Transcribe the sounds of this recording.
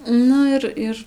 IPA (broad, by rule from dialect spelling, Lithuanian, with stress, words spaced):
ˈnʊ ɪr ˈɪr